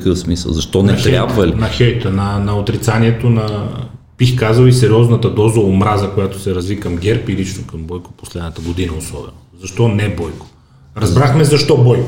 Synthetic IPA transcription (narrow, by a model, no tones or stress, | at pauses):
kəfsmisə̰lˠzɐʃt̪ɔnɛtxɛɾabvɐlinɐxɛjt̪ənɐnɐot̪ɾit̪saniɛt̪onɐpixkazəlˠisɛɾʲiɔznɐt̪ɐd̪ɔzɐomɾazɐkojat̪o̥sɛɾɐzvikɐmɡʲɛɾpilit͡ʃnokɐmbɔjko̥po̥slɛd̪nət̪əɡod̪inɐosɔbɛnozɐʃt̪ɔnɛbɔjko̥ | ɾɐzzbɾaxmɛzɐʃt̪ɔbɔjko